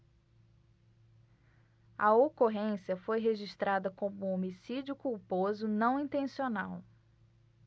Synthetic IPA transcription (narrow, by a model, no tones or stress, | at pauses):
ɐ̰okoɦẽsiɐfojɦeʒiʃt̪ɾad̪ɐkõmʊomisid͡ʒiʊkuwpozʊnɐ̃w̃ĩnt̪ẽsionaw